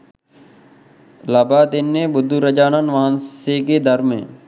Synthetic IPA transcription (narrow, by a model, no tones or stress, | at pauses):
laːbaːd̪ɪnːẽːbʊd̪ʱːuɾəd͡ʒaːnənʋaːnseːked̪əɾmḛ̃ː